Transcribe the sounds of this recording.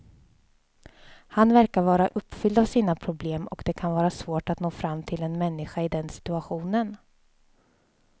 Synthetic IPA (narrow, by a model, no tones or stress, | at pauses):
hanvæɾkaɾvɑːɾaʔɵpːfʏld̪avsiːnapʰɾʊbleːmɔ̰kd̪ɛkʰanvɑːɾasvoːʈat̪noːfɾamːt̪ʰɪlɛnmɛnːɪɧaɪd̪ɛnsɪ̥t̪ɵaɧuːnən